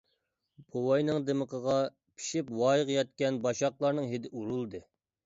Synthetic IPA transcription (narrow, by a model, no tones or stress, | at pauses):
bowɑjnɨŋd̪eməqʰəʁɑ | pʰi̥ʃipwɑːjʁjɑt̪̚kʲɛnbɑʃɑqlˠɑɾnɨŋɦed̪ɪʔuɾulˠd̪ɨ